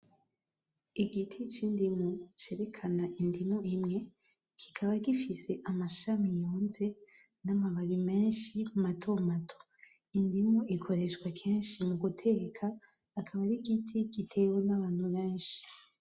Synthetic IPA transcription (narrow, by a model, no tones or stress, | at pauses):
iɡitʰit͡ʃindimut͡ʃe̞ɾe̞kʰanaʔindimuimŋe̞ | kʰi̥kʰaβaɡifise̞ʔamaʃamijoːnze̞ | namaβaβime̞ːnʃimatʰo̞matʰo̥ | indimuʔikʰo̞ɾe̞ʃɡwakʰeːnʃimuɡutʰe̞ːkʰaː | kʰaβaɾiɡitʰiɡitʰe̞wonaβaːn̥huβẽːnʃi̥